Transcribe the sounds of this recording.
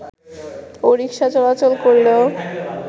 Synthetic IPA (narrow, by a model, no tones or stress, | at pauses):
oɾikʃat͡ɕɔlat͡ɕolkoɾlo